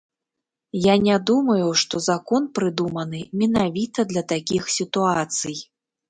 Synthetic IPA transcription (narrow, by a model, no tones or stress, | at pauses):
janʲad̪umɐjuʂt̪ɔzakɔnpɾɨd̪umɐnɨmʲɛnavʲit̪ɐd̪lʲɐt̪akʲixsʲit̪uat̪sɨj